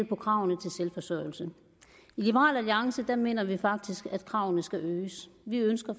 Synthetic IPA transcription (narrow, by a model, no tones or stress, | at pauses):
l̰pʰɒ̽kʰʁɑ̈ʊnət͡sʰe̝lselfɒ̽sœɐɪl̩sə | ilib̥əʁɑ̰̈ːlæliɑ̈ŋsəd̥æme̝̰ːnɐʋifɑ̈ɡ̥̚d̥isɡ̥æd̥̚kʰʁɑ̈ʊ̰nəsɡ̥æʔøːsʋiønsɡ̥ɐ